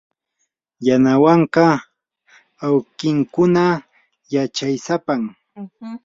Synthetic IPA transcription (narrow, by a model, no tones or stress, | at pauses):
janawɑɴkɑ | awkɪŋkʊna | jat͡ʃajsapam